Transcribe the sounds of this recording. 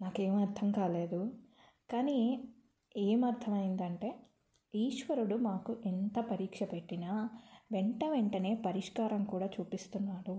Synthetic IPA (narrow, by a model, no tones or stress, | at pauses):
naːkeːmɐɾt̪ʰɐmkaːle̞ːd̪u | kaːni | eːmɐɾt̪ʰɐmɐjind̪ɐɳʈe̞ː | iːʂʋɐɾuɽumaːkuʔent̪ɐpɐɾiːkʂɐpe̞ʈːinɐʋeɳʈɐʋeɳʈɐne̞ːpɐɾiʂkaːɾɐmkuːɽaːt͡ʃuːpist̪unːaːɽu